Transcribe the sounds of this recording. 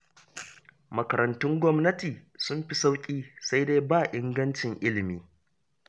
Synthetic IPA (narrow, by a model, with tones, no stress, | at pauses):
mɐ˨kɐ˨ɾɐ˨ntʊ˦ŋɡʷɔ˦mnɐ˦tiː˨sʊ˦mɸi˦sa˦wkʲʼiː˦sa˦jdeː˦baː˦˨ʔɪ˦ŋɡɐ˦nt͡ʃɪ˨ŋʔɪ˦lɪ˨miː˦